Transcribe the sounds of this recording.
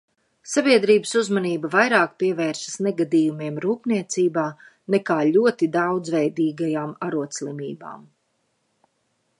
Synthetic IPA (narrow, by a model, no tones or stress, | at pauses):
sabiɛd̪ɾiːbəsuzmaniːbɐvajɾaːkpiɛvɛːɾsɐ̥snɛɡad̪iːjumiɛmɾuːpniɛt̪siːbaː | nɛkaːlʲuɔt̪id̪awd̪zvɛjd̪iːɡajaːmaɾuɔt̪slˠimiːba̰ːm